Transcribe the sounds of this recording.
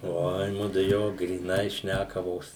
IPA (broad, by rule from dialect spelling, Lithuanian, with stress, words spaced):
ˈoːɪ ˈmʊdʊ ˈjoː ɡrʲiːˈnɐɪ ˈʃʲnʲækɐʋoːs